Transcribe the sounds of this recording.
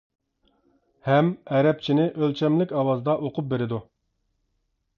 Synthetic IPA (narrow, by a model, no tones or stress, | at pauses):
hɛmɛɾɛp̚t͡ʃʰinɪʔølt͡ʃʰɛmlɪkʲɑwɑzd̪ɑʔoqʰʊp̚beɾɪd̪u